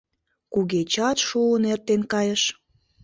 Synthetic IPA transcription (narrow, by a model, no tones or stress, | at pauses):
kuɣet͡ɕɑt̪ʃuənert̪enkɑjəʃ